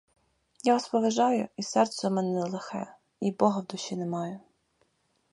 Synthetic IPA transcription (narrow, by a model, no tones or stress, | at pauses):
jaɔspɔʋeʒɑjʊisɛrt̪sɛmɛnɛnɛlˠexɛ̰ | ibɔɦɐwd̪ʊʃʲinɛmɑjʊ